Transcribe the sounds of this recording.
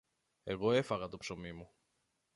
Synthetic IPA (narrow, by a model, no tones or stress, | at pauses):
e̞ɣo̞e̞fɐɣɐt̪o̞pso̞mimu